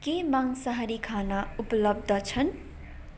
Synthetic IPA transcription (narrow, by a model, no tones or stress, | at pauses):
kemaŋsaɦɾikʰanauplʌb̚d̪ʱʌt͡sʰʌn